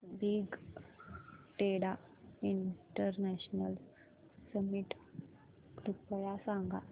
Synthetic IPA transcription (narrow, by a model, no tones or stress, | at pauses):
biɡ | ʈeɽa | iɳʈəɾnɛɕnəl | səmiʈ | kɾupəjasaŋɡa̰